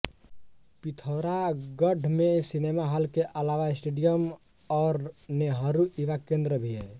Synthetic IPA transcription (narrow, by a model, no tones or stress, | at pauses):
pit̪ʰoɾaɡəɖʱmesinemaɦəlkeʔəlaʋaɪsʈeɖijəm | ɔːɾneɦəɾuiʋakẽnd̪ɾəbʱie